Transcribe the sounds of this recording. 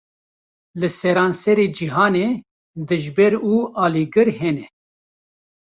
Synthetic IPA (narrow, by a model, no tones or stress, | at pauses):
lɨsɛɾɑːnsɛɾeːd͡ʒiɦɑːneː | d̪ɨʒbɛɾuːʔɑːliɡɨɾhɛnɛ